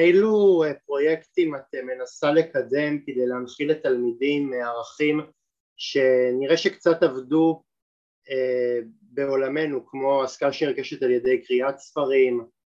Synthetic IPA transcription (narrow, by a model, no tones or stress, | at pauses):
ejluepʁo̞jektimateme̞nasale̞kade̞mkid̪ejleanχiletalmidimːeaʁaχim | ʃe̞niʁeʃekt͡satavdu | e | be̞o̞lame̞nukmo̞askaaʃeniʁɡeʃetalje̞dejkʁiatsfaʁim